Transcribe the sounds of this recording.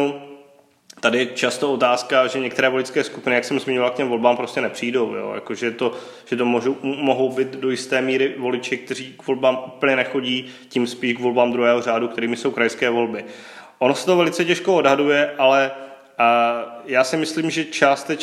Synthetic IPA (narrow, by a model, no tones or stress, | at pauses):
t̪adɪjɛt͡ʃast̪oo̞t̪aːskaʒɛɲɛk̚t̪ɛɾɛːvolɪt͡skɛːskupɪnɪjaksɛmzmɪɲovalkcɛmvo̞lbaːmpɾo̞scɛnɛpr̝̥iːdo̞wjo̰ja̰koʒɛt̪o̞ | ʒ̥ɛt̪omoʒmoɦo̞wbɪt̪dojɪst̪ɛːmiːɾɪvo̞lɪt͡ʃɪk̚t̪ɛriːɡvo̞lbaːmʔupl̩ɲɛnɛxo̞ɟiː | cimspiːʃɡvo̞lbaːmd̪ɾuɦɛːɦor̝aːdukt̪ɛɾiːmɪso̞wkɾajskɛːvo̞lbɪ | ʔonosɛ̥t̪ovɛlɪt͡sɛcɛʃkoodɦadujɛʔalɛ | jaːsɪmɪsliːmʒɛt͡ʃaːst̪ɛ